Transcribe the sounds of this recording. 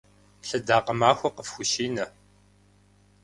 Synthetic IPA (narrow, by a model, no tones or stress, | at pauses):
ɬɐdaːqɐmaːxʷɐqəfxʷʊʃiːnɐ